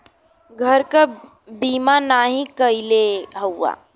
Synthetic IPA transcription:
ɡʱəɾka | biːmanaɦĩkəileɦəwːa̰

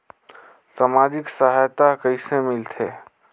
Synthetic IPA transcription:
saːmaːd͡ʒɪksaɦajt̪akəisemɪlt̪ʰeː

